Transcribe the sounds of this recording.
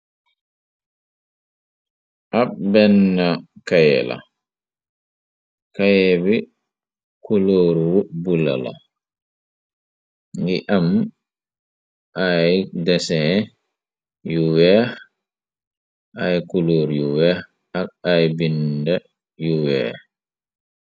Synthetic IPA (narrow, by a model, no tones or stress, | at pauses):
ʔabbɛnːakajɛ̰la̰ | kajɛbi | kuloːɾwubula̰la̰ | ŋɡiʔam | ʔajdɛsɛ | juwɛ | ʔajkuloːɾjuwɛ | ak̚ajbindɛ | juwɛ̰